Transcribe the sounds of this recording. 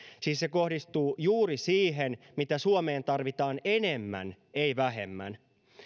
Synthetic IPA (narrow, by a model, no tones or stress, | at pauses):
siːsse̞ko̞hdist̪uːjuːɾisiːɦenmit̪æsuome̞ːnt̪ɑrʋit̪ɑːne̞nemːæ̰n | ejʋæɦe̞̰mːæ̰n